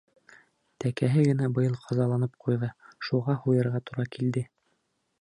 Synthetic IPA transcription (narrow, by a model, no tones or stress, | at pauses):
t̪ækæɦɘɡɘ̆næbɤ̆jɤlˠqʰɑzɑlˠɑnɤp̚qujðɤʃuʁɑhujɤ̆ɾʁɑt̪uɾɑkild̪ɘ